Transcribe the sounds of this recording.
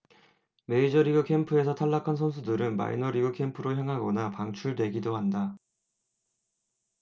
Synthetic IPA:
me̞id͡ʑʌɾiɡɯkʰe̞mpʰɯe̞sʰʌtʰaɭːakʰans̬ʰʌns̬ʰudɯɾɯnma̰ḭnʌɾiɡɯkʰe̞mpʰɯɾoçjaŋɦaɡʌnapaŋt͡ɕʰuɭdwe̞ɡidoɦanda

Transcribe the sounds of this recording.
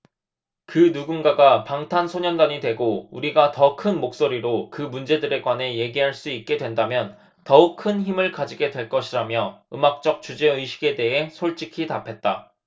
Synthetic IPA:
kɯnuɡunɡaɡapaŋtʰansʰoɲʌndaɲidwe̞ɡouɾiɡatʌkʰɯnmok̚s͈oɾiɾokɯmund͡ʑe̞dɯɾe̞ɡwane̞je̞ɡiɦaɭs͈uik̚k͈e̞dwe̞ndamjʌn | tʌuk̚kʰɯnçimɯɭkad͡ʑiɡe̞dwe̞ɭk͈ʌɕʰiɾamjʌɯmak̚t͡ɕ͈ʌk̚t͡ɕud͡ʑe̞ɯɕʰi̥ɡe̞de̞ɦe̞sʰoɭt͡ɕ͈ʰikʰitapʰe̞t̚t͈a

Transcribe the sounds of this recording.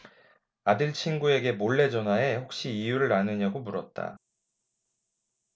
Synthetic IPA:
adɯɭt͡ɕʰinɡue̞ɡe̞moɭːe̞d͡ʑʌnwae̞ɸok̚ɕ͈iijuɾɯɭanɯɲaɡomuɾʌt̚t͈a̰

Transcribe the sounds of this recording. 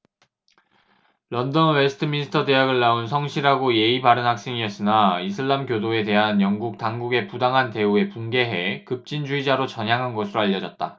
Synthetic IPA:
lʌndʌnwesʰɯ̥tʰɯminisʰɯ̥tʰʌde̞ɦaɡɯɭːaunsʰʌŋɕʰiɾɦaɡoje̞ibaɾɯnɦak̚s͈e̞ŋiʌs͈ɯnais̬ʰɯɭːamkʲjodoe̞de̞ɦanjʌŋɡuk̚taŋɡuɡe̞pudaŋɦante̞ue̞punɡe̞ɦe̞kɯp̚t͡ɕ͈ind͡ʑuid͡ʑaɾot͡ɕʌɲɦaŋɦanɡʌsʰɯɾoaʎːʌd͡ʑʌt̚t͈a

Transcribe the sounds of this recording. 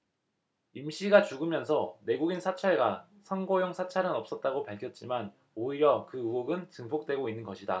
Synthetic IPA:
imɕʰiɡat͡ɕuɡɯmjʌnsʰʌne̞ɡuɡinsʰat͡ɕʰaɭɡa | sʰʌnɡojoŋsʰat͡ɕʰaɾɯnʌp̚s͈ʌt̚t͈aɡopaɭkʰjʌt̚t͡ɕ͈iman | oiɾjʌkɯɯoɡɯnt͡ɕɯŋpʰok̚t͈we̞ɡoinːɯnɡʌɕʰida

